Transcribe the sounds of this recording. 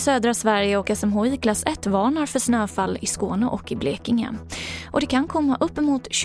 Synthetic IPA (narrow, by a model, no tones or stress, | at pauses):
søːd̪ɾasvæɾjəɔkɛsɛmɦɔjkʰlasɛt̪ːvɑːɳaɾfœʂnøːfalːɪskoːnəʔɔkːɪbleːkɪŋə̰ʔɔd̪ɛkʰankʰɔmːaʔɵpːəmuːt̪ɕ